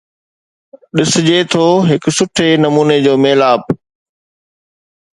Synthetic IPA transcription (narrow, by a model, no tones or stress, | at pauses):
ɗɪsɪd͡ʑet̪ʰoːɦɪksʊʈʰenɐmuːned͡ʑoːmeːlaːp̚